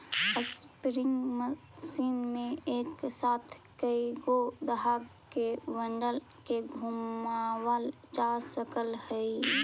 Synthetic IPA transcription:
əspɾɪ̃ŋɡmə | siːnmẽeːksaːt̪ʰ | kəiɡod̪əɦaɡ | keʋə̃ɳɖəl | keɡʱumawəl | d͡ʒasəkəlhɛi

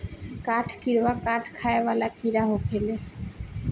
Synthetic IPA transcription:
kaʈʰkiɾbakaʈʰkʰaeβalakiɾaɦokʰele

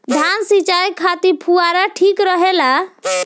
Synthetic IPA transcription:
d̪ʱansit͡ʃajkʰat̪iɾpʰuaɾaʈʰikɾɔɦela

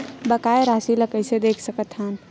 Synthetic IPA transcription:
bəkaeɾasiləkəjsẽd̪ekʰsəkət̪ʰɦan

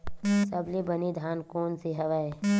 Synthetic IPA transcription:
sɐblibənid̪ʱaːnkoːnsiɦɐʋae

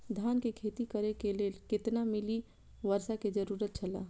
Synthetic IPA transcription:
d̪ʱjaːnkekʰeːt̪ikəɾekeleːlkɪt̪namɪli | ʋəɾʃaked͡ʒəɾuːɾət̪̚t͡ʃʰəla̰

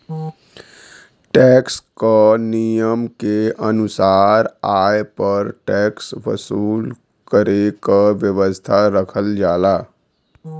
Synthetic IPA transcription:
ʈɛkskənijəmkeənusaɾajpəɾʈɛksʋə̰suːl | kəɾekəʋjəʋəst̪ʰaɾəkʰəld͡ʒaːla

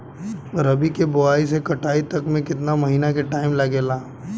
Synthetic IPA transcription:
ɾɐbʱikebʊaːis̬ekɐʈʰaːit̪ɐkmẽkɪt̪namɐɦiːnakeʈaːɪmlɐɡeːlaː

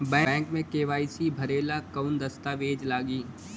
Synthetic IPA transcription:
bɛ̃ːŋkmẽkeːʋaːisibʱɐɾeːlakɐʊnd̪ɐst̪aːʋeːd͡ʒlaːɡiː

